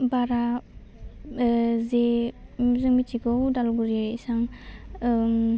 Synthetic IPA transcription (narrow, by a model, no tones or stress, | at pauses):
baɾa | ze | zɯmitʰiɡɔwdalɡuɾaisaŋ